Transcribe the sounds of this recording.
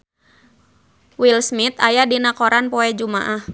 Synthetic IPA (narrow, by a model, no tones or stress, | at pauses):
wilsmit̪ajadinakɔɾanpɔɛd͡ʒuma̰ʔah